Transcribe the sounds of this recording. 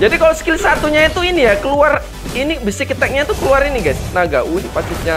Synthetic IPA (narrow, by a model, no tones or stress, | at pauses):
d͡ʒadikalosə̥kilsat̪uɲait̪uinijakəluar | inibəsɪkət̪ɛk̚ɲat̪ukəluaɾiniɡajsnaɡaʔunipasɪt̪̚ɲa